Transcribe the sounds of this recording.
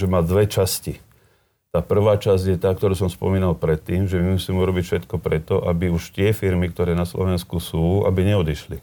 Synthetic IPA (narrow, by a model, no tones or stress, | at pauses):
ʒɛmaːd̪ʋɛt͡ʃasci | t̪aːpr̩ʋaːt͡ʃazɟjɛt̪aːk̚t̪ɔɾuːsɔmspɔ̰miːnalpɾɛt̪ːiːmʒɛmimusiːmɛuɾɔbicfʃɛt̪kɔpɾɛt̪ɔʔabiuʃt̪ɪɛfiɾmik̚t̪ɔɾɛːnaslɔ̰ʋɛnskusuːa̰biɲɛɔd̪iʃli